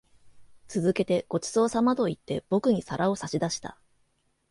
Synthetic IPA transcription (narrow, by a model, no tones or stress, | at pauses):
t͡sɨzɨke̞t̪e̞ɡ̥o̞t͡ɕi̥so̞ːsamat̪o̞it̪ːe̞b̥o̞kɯ̟ɲ̟isaɾʔao̞saɕid̪aɕi̥t̪a̰